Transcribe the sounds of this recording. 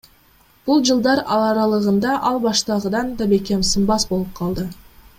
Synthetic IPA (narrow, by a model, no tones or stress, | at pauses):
b̥ulˠd͡ʒɯlˠd̪ɑɾɑlˠɑɾɑlˠɯʁɯnd̪ɑʔɑlˠbɑʃt̪ɑʁɯd̪ɑnd̪ɑbe̞kʲe̞msɨmbɑsbo̞lˠup̚qʰɑlˠd̪ɯ